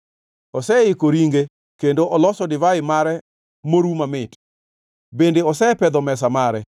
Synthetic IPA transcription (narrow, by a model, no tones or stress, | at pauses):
ɔsɛɪkoɾiŋɡe | kendoʔɔlɔsɔdɪvaɪmaɾɛ | moɾumamɪt | bendeɔsɛpɛd̪ɔmɛs̬amaɾɛ